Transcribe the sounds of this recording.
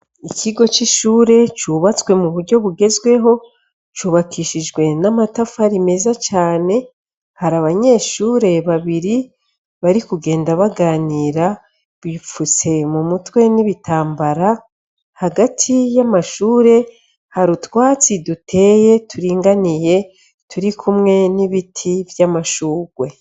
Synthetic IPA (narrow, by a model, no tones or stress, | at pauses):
icʰiɡo̞t͡ʃiʃuːɾe̞t͡ʃuβat͡swe̞muβuɾɟo̞βuɡe̞zɡwe̞ɦo̞ | t͡ʃuːβakʰiʃid͡ʒɡwe̞namatafaɾime̞zat͡ʃaːne̞ | haɾaβaɲe̞ːʃuːɾe̞βaβiɾi | βaɾikuɡe̞ːndaβaɡaːniːɾa | βifut͡se̞mumutwe̞niβitʰaːmbaɾa | haɡatʰijamaʃuːɾe̞ | haɾutwaːt͡sidutʰe̞ːje̞tuɾiːŋɡanije̞ | tʰuɾikʰumŋe̞niβitʰivjamaʃuːɡwe̞